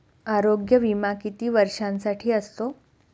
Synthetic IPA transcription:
aɾoɡjəʋimakit̪iːʋəɾʂãnsaʈʰiːəst̪o

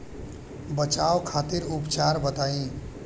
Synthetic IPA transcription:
bət͡ʃawkʰat̪iɾupt͡ʃaɾbət̪aĩ

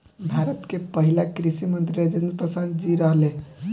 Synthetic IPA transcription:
bʱaɾət̪kepəɦilakɾisimənt̪ɾied͡ʒend̪pɾəsad̪̚d͡ʒiɾəɦlẽ

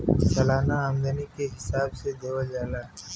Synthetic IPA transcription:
səlaːnaəmd̪ənikeɦɪsaːbsed̪eːwəld͡ʒaːlaː

